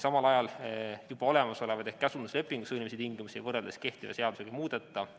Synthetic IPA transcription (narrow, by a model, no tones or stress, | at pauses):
sɑmɑlɑjɑljub̥ɑo̞le̞mɑso̞le̞vɑd̪ehkæsund̪usle̞pːˑiŋɡusinʲimesit̪iŋɡimusiḛvɤrːeld̪eske̞ht̪ivɑ̰se̞ɑd̪useɡɑmuːd̪̥et̪ˑːɑ